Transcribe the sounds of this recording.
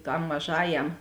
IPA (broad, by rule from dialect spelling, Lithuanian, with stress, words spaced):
tɐm mɐˈʒɑːjɛm